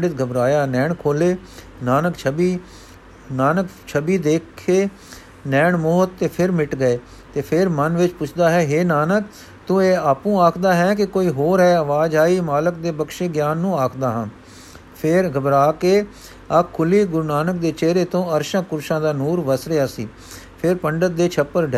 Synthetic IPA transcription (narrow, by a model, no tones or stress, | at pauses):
ɽɪt̪̚ɡʱəbɾaːjaːnɛːɳkʰoːleː | naːnəkt͡ʃʰbiː | naːnək | t͡ʃʰəbiːd̪eːkʰːeː | nɛːɳmoːt̪t̪ːeːpʰɪɾmɪʈɡəeː | t̪eːpʰɪɾmənʋɪt͡ʃpʊt͡ʃʰd̪aːɦɛːɦeːnaːnək | t̪ʊ̃eːaːpũːaːkʰd̪aːɦɛːk̬ɪkoːiːɦoːɾɦɛːəʋaːd͡ʒaːiːmaːlək̚d̪eːbəkʃeːɡjaːnːũːaːkʰd̪aːɦãː | pʰɪɾɡəbɾaːkeː | əkʰːʊliːɡʊɾnaːnək̚d̪eːt͡ʃeːɾeːt̪õːəɾʃãːkʊɾʃãːd̪aːnuːɾʋəsɾeːaːsiː | pʰɪɾpəɳɖət̪̚d̪eːt͡ʃʰəpːəɾɖɛ